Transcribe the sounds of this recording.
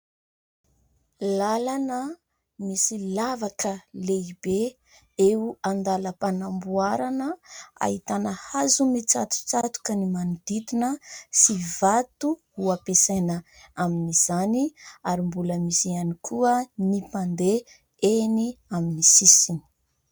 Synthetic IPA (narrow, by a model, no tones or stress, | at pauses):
lalanə | misilavakəleibe | euand̪aləpanambuaɾanəa̰ɦit̪anəhazumit͡sat̪u̥t͡sat̪u̥kənimanud̪it̪inəsivat̪uhuapesanəaminiz̥aniaɾimbuləmisianikʰuənipand̪e | eniaminisisini̥